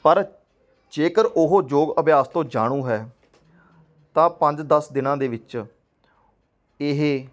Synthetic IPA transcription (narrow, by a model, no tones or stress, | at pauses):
pəɾ | d͡ʒeːkəɾʔʊɦoːd͡ʒoːɡəbjaːst̪õːd͡ʒaːɽ̃ũːɦɛː | t̪ãːpə̃ɲd͡ʒd̪əsd̪ɪnãːd̪eːʋɪt͡ʃ | ɪɦeː